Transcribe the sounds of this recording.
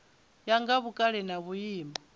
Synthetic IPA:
jaŋɡaβukʼaɺɛnaβujiːmbɔ

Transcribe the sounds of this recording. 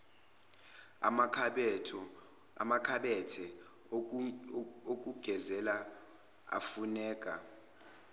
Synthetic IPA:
a̰makʰɓɛtʰɔ | a̰makʰaɓɛtʰɛ | ok̬ʼuɡ̥ʱɛzɛla | a̰funɛːkʼa̰

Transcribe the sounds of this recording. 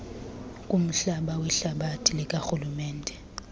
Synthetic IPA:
kʼum̩ɬaɓawɛɬaɓatʰilik̬ʼaxulumɛːndʱɛ

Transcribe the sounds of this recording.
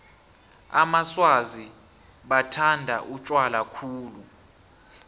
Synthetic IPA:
a̰maswazi | ɓatʰandʱaʔut͡ʃʼwalakʰuːlu

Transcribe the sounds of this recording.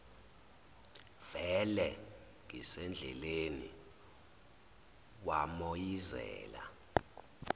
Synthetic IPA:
v̥ɛlɛ | ŋʱisɛnd͡ɮʱɛ̰leni | wamojizɛ̰ːla

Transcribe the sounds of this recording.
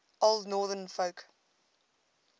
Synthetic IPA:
oldnɔːðənfoʊk

